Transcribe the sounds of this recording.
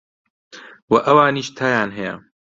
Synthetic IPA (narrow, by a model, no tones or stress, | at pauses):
wɐʔɐwaːniːʃt̪ʰaːjaːnɦɐjɐ̰